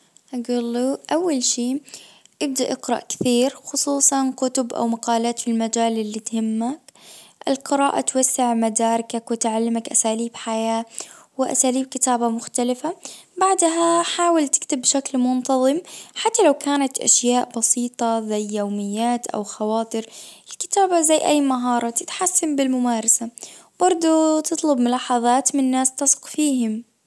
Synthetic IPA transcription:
ʔaɡuːlːuʔawːalʃiː | ʔɪb̚d̪aʔɪqɾɑ̰ʔkɪ̥θiːɾxʊsˤuːsˤɑnkʊt̪ʊbʔa̰wmaqɑːlaːt̪filmad͡ʒaːlɪlːit̪hɪmːakʔɪlqɪɾaːʔat̪wasːɪʕmad̪aːɾˤɪkakwɪt̪ʕalːɪmakʔasaːliːbħajaːwɪʔa̰saːliːb̚kɪt̪aːbamʊxt̪alɪfabaʕd̪ɦaħaːwalt̪ɪ̥kt̪ɪbːʃaklmʊnt̪ɑðˤɨmħat̪ːalawkaːnat̪ʔa̰ʃjaːʔbɑsiːt̪ˤɑzajːawmɪjːaːt̪ʔa̰wxɑwɑːt̪ˤɨɾɪlkɪ̥t̪aːbazajːʔajːmaɦɑːɾˤɑt̪ɪt̪ħasːambɪlmʊmaːɾˤɑsabɑɾˤd̪ˤut̪ɨt̪ˤlʊbmʊlɑːħɑðˤɑːt̪mɪnnːaːst̪ɑsˤqfiːhɪm

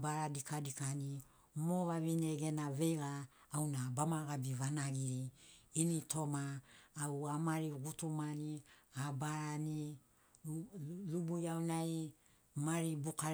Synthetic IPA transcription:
baɾadikʰadikani | moβaβineɡe̞naβe̞jɡaː | wnabamaɡabiβanaɡiɾiːnitʰo̞maːwamaɾiɡutumaniabaɾani | lubujawnaj | maɾibuka

